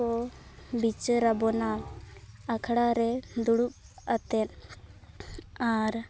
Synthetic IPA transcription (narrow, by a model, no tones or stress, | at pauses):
ɔbit͡ʃəɾabɔna | akʰɽaɾɛd̪uɽup̚ | at̪ɛn | aɾ